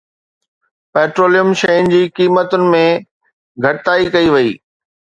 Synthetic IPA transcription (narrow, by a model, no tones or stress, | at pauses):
pɛːʈɾoːlijəmʃɐjʊnɪ̆d͡ʑiːkiːmət̪ʊnɪ̆mẽ | ɡʱɐʈɪt̪aːikɐiʋɐiː